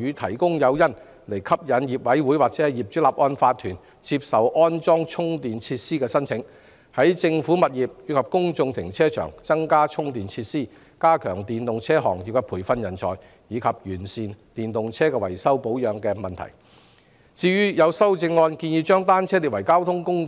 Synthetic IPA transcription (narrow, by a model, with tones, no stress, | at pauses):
yː˨˧t̪ʰɐ̰˨˩jkʊ˥ŋjɐ˨˧wjɐ˥n | le˨˩jkʰɐ˥p̚jɐ˨˧njiː˨˩p̚wɐ˨˥jwu˨˥jwaː˨k̚t͡sɛː˨˥hɛ˨˧jiː˨p̚t͡ʃy˨˥laː˨p̚ʔɔː˧nfaː˧t̪ʰyː˨˩n | t͡si˧p̚sɐ˨wʔɔː˥nt͡sɔː˥ŋt͡ʃʰʊ˥ŋt̪iː˨nt͡sʰiː˧t̚siː˥kɛː˧sɐ˥nt͡sʰɪ˨˥ŋ | hɐ˨˥jt͡sɪ˧ŋfu˨˥mɐ˨t̚jiː˨p̚jyː˨˧kʰɐ˨p̚kʊ˥ŋt͡sʊ˧ŋt̪ʰɪ˨˩ŋt͡sʰɛː˥t͡ʃʰœ̰ː˨˩ŋt͡sɐ˥ŋkaː˥t͡ʃʰʊ˥ŋt̪iː˨nt͡sʰiː˧t̚siː˥ | kaː˥kʰœː˨˩ŋt̪iː˨nt̪ʊ˨ŋt͡sʰɛː˥ɦɔ̰ː˨˩ŋji˨p̚kɛ˧pʰuː˨˩jfɐ˧njɐ˨˩nt͡sʰɔ̰ː˨j | jiː˨˧kʰɐ˨p̚jyː˨˩nsiː˨nt̪iː˨nt̪ʊ˨ŋt͡sʰɛː˥kɛː˧wɐ̰˨˩jsɐ˥wpo˨˥wjœː˨˧ŋkɛː˧mɐ˨nt̪ʰɐ̰˨˩j | t͡siː˧ɥyː˥jɐ˨˧wsɐ˥wt͡sɪ˧ŋːɔː˧nkiː˧njiː˨˧t͡ʃœː˥ŋt̪aː˥nt͡sʰɛː˥li˨t̚wɐ˨˩jkaː˥wt̪ʰʊ˥ŋkʊ˥ŋ